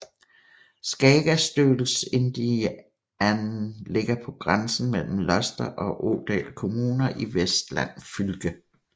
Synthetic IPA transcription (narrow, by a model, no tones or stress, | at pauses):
sɡ̥ɛːɡ̥æsd̥ø̥ːl̩se̝nd̥i | æn̩le̝ɡ̥ɐpʰɒ̽ɡ̥ʁansn̩mel̰m̩lɒsd̥ɐʔɒ̽ʔo̰d̥ɛ̰ːlkʰo̝muːnɐʔiʋesd̥læ̰n̰fylɡ̥ə